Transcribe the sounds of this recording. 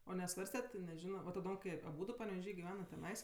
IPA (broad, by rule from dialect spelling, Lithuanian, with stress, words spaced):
oː nʲɛˈsʋɐrʲsʲtʲɛtʲ tʲɪ nʲɛˈʒʲɪnoː ʋɐ tɐˈdoːm kɐɪ ɐˈbuːdʊ pɐnʲɛʋʲɛˈʒʲiː ɡʲɪˈʋʲæːnɐt tʲɛˈnɐɪs